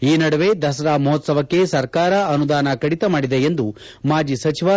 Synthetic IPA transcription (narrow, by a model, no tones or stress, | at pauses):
iːnɐɽɐʋed̪ɐsɐɾaːmuɦɔt̪sɐʋɐkːe̞sɐɾkaːɾɐɐnud̪aːnɐkɐɽit̪ɐmaːɽid̪eend̪u | maːd͡ʒisɐt͡ʃiʋa